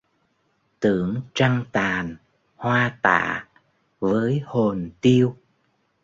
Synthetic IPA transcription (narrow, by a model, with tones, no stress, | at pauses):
t̪ɨ̰˧˨əŋt͡ɕa˧ŋt̪aː˨˩n | hwaː˧t̪a̰ː˧˨ | vəː˨˦jho˨˩nt̪i˧əw